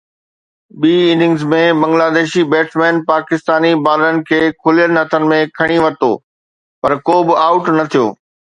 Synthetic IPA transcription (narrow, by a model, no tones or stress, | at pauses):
ɓiːinɪ̃ŋɡzmẽbɐ̃ŋɡlaːd̪eːʃibeːʈʰmɛ̃ːnpaːkɪst̪aːnibaːɾənɪ̆kʰeːkʰʊlijənɪ̆ɦɐt̪ʰənɪ̆mẽkʰɐɽ̃iʋɐt̪o̰ː | pɐɾkoːbɪaːʊʈnɐt̪ʰijo̰ː